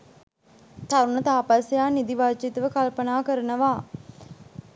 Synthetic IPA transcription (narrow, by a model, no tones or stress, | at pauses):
t̪aɾunət̪aːpasjaːnid̪iʋaːt͡ʃit̪əʋəkalpənaːkəɾənəʋaː